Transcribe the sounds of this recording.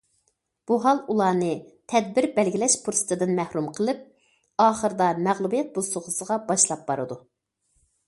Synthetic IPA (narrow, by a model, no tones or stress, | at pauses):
b̥uɦɑlˠulˠɑːnɨt̪ʰɛd̪̚bɪɾbɛlɡʲilɛʃpʰuɾsɨ̥t̪ʰɨd̪ɨnmæhɾumqʰəlˠɨp̚ | ɑːχəɾɨd̪ɑmæʁlˠubijɛt̪̚bosʊʁʊsəʁɑbɑʃlˠɑp̚b̥ɑɾɨ̰d̪u